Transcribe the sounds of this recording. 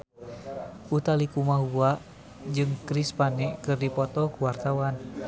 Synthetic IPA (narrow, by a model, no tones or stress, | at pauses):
ʔut̪alikumaɦuaʔ | d͡ʒɨŋkɾispanɛʔkɨrdipɔt̪ɔkuwart̪awan